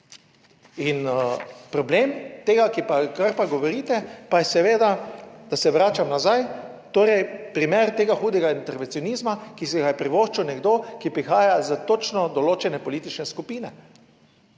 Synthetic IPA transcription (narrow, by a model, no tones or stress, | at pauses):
inpɾɔbleːmt̪eːɡakipakaɾpaɡɔʋɔɾiːt̪ɛpajɛsɛʋeːd̪ad̪̥asɛʋɾaːt͡ʃamnazajt̪oːɾɛjpɾimeːɾt̪eːɡaxuːd̪ɛɡaint̪ɛɾʋɛnsiɔnizmakisɛɡajɛpɾiʋoːʃt͡ʃunɛɡd̪okipɾixaːjazət̪ot͡ʃnɔd̪ɔloːt͡ʃɛnɛpɔliːt̪it͡ʃnɛskupiːnɛ